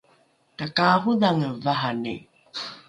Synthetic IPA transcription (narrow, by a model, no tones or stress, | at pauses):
kakaɦuðaŋəvaɦanḭ